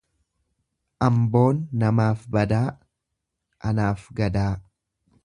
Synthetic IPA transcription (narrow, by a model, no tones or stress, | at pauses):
ʔɐmbo̞ːnːɐmaːfbɐd̪aː | ʔɐnaːfɡɐd̪aː